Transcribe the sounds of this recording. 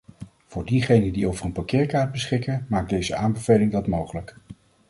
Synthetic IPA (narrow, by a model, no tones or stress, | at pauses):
v̥ʊːɹdiχejnədiowvərənpakɪːɹkaːɹd̚bəsχɪkənmaːɡ̚dejzəaːmbəv̥ejlɪŋdɑtmowχələk